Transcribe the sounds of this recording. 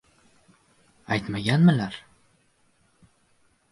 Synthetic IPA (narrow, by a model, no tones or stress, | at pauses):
æjt̪mæɡʲænmɘlæɾ